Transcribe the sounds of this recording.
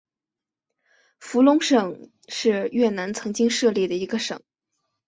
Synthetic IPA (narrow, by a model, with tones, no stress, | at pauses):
fu˧˥lʊ˧˥ŋʂɤ˨˩˦ŋ | ʂɻ̩˥˧ɥɛ˥˩na˧˥nt͡sʰɤ˧˥ŋt͡ɕi˥ŋʂɤ˥˧li˥˩d̪ə˩i˧˥ɡə˧ʂɤ˨˩˦ŋ